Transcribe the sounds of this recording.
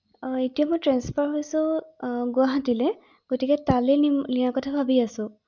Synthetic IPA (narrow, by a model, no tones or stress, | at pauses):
etijamojtɹɛnspʰaɹɦojsʊ̃ɡʊaɦatilɛ | ɡ̥otikɛtalɛliakɔtʰabʱabiasʊ̃